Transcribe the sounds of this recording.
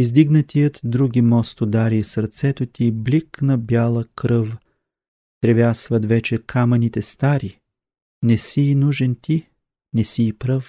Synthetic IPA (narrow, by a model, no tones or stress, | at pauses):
izd̪iɡnət̪ijət̪d̪ɾuɡʲimɔst̪od̪aɾisɐɾt̪sɛt̪ot̪ʲibliknɐbjalˠəkɾɤf | t̪ɾɛvjasvɐt̪vɛt͡ʃɛkʰamɐnit̪ɛst̪aɾi | nɛsiːnuʒɛnt̪i | nɛsiːpɾɤf